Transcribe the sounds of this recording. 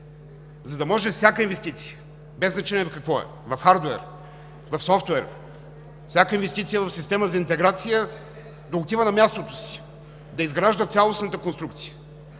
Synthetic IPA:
zɐd̪ɐmɔʒɛfsʲjakəinvɛst̪it̪si̥jə | bɛznɐt͡ʃɛniɛkɐkvɔɛ̰ | vɐfxaɾd̪uɛ̰ɾ | vɐfsɔft̪wɛɾ | fsʲjakəinvɛst̪it̪sijəvɐfsist̪ɛməzɐint̪ɛɡɾat̪sijə | d̪oʊt̪ivənɐmjast̪ot̪o̥si̥ | d̪ɐizɡɾaʒd̪ət̪sʲalˠosnət̪əkonst̪ɾukt̪sijə̥

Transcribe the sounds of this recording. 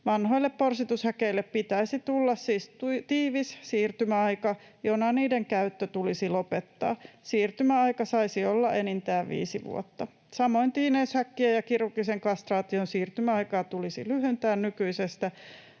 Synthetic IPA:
ʋɑnhoilːepporsit̪ushækeilːeppit̪æisit̪ulːɑssiːst̪ut̪iːʋissiːrt̪ymæɑikɑ | jonɑniːdeŋkæyt̪ːøt̪ulisilopet̪ːɑ̰ːsiːrt̪ymæɑikɑsɑisiolːɑʔenint̪æːʋʋḭːsiʋṵot̪ːɑ | sɑmoint̪iːneːshækːiejɑkirukːiseŋkɑst̪rɑːt̪ionsiːrt̪ymæɑikɑːt̪ulisḭlyhønt̪æːnnykyisest̪æ

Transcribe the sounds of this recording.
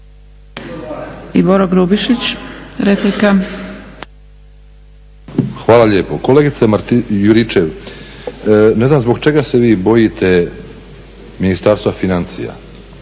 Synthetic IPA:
iboɾoɡɾubiʃit͡ɕɾeplika | xʋaːlˠaʎeːpokoleɡit̪semaɾt̪juɾit͡ʃeʋ | ne̞znamzbo̞ɡt͡ʃe̞ɡase̞ʋiːbo̞jit̪ʰe̞ | minist̪aɾst̪vafinant̪sḭja̰

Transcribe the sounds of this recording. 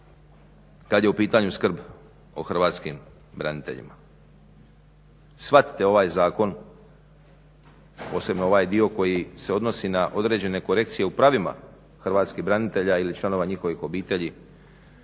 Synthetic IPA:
kad̪je̞upiːt̪aɲuskr̩b | o̞̰xrʋaːt̪skim | bɾa̰nit̪e̞̰ʎḭma | sʋat̪i̥t̪e̞o̞ʋaːjzaːko̞n | po̞ːse̞bnoo̞ʋaːjd̪io̞ko̞jise̞o̞d̪no̞sinaʔo̞d̪ɾe̞ːd͡ʑe̞ne̞ko̞ɾe̞k̚t̪sije̞upɾaʋima̰ | xr̩ʋaːt̪skiɦbɾanit̪e̞ʎailit͡ʃlˠano̞ʋaɲixo̞ʋixo̞biːt̪e̞ʎi

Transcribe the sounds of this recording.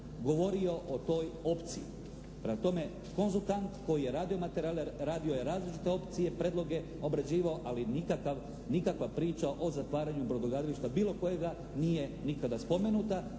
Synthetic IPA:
ɡo̞ʋo̞ɾio̞ʔot̪o̞ːjo̞pt̪siḭ | pɾemat̪o̞me̞ | ko̞nzulˠt̪ant̪ko̞jije̞ɾaːd̪io̞mat̪eɾaːleɾaːd̪io̞jeɾaːzlit͡ʃi̥t̪e̞o̞pt̪sije̞pɾed̪lˠo̞ɡe̞ | o̞bɾad͡ʑiːʋaoʔalinikakaʋ | nikakʋapɾiːt͡ʃaʔo̞zat̪ʋaːɾaɲubɾod̪oɡaːd̪aliʃt̪abiːlˠo̞ko̞je̞ɡa | nije̞nikad̪aspo̞me̞nuːt̪a

